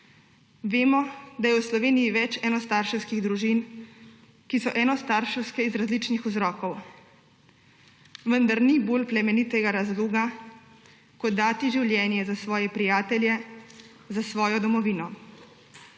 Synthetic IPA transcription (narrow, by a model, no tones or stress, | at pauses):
ʋeːmɔd̪ajɛwslɔʋeːnijiʋɛt͡ʃɛnɔst̪aɾʃɛwskiɣd̪ɾuʒin | kisɔʔɛnɔst̪aɾʃɛwskɛizɾazlit͡ʃnixuzɾɔːkɔw | ʋənd̪aɾniboːlplɛmɛnit̪ɛɡaɾazluːɡa | kɔt̪ːaːt̪iʒiwljɛːnjɛzasʋɔːjɛpɾijaːt̪ɛljɛ | zasʋɔːjɔd̪ɔmɔʋiːnɔ